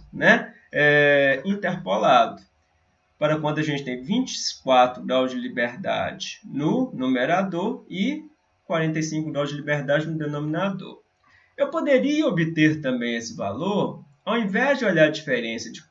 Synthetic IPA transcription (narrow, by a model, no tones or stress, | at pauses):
nɛ | ɛĩnt̪eɾpolad̪ʊ | paɾɐkwɐ̃nd̪ʊaʒẽnt͡ʃɪ̥t̪ẽj̃vĩt͡ʃɪ̥kwat̪ɾʊɡɾawzd͡ʒɪlibeɾd̪a̰d͡ʒɪnʊnũmeɾad̪oɾɪ | kwaɾẽnt̪̬ɐjsĩkʊɡɾawzd͡ʒɪlibeɾd̪ad͡ʒɪnʊd̪enõmĩnad̪o̰ɾ | ewpod̪eɾiɐobɪt̪eɾt̪ɐ̃mbẽj̃esɪva̰loɾ | awĩvɛzd͡ʒɪoʎaɾɐd͡ʒifeɾẽsjɐd͡ʒɪ